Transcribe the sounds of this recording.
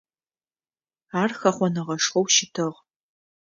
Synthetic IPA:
aːrxɐχʷɔnɨʁɐʂχɔwʃɪtʰɨʁ

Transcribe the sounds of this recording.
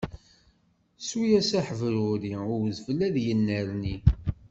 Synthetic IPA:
sujæsæħəvluɾiʊɾzəvlæðjənːəɾni

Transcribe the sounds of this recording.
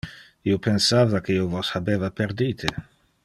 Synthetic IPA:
iopensaːvakeiwvɔshabeːvapeɾd̪iːt̪ʰe

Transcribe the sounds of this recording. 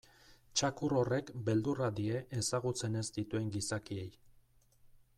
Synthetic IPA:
t͡ʃakuro̞re̞kbe̞ld̪urad̪ie̞ʔːsaɣut͡se̞ne̞zd̪it̪ue̞ŋɡisakie̞j

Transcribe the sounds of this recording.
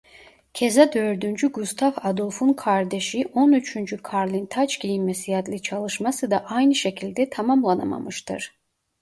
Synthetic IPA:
cʰezad̪ø̞ɾd̪ynd͡ʒyɡust̪ʰavad̪olˠfunkʰaɾd̪eʃiʔo̞nyt͡ʃʰynd͡ʒykʰaɾlʲint̪ʰat͡ʃɟijinmesijad̪lʲit͡ʃʰalˠɯʃmasɯd̪aʔajnɯʃe̞cʰilʲd̪ɛt̪ʰamamlˠanama̰mɯʃt̪ʰɯ̰ɾ̥

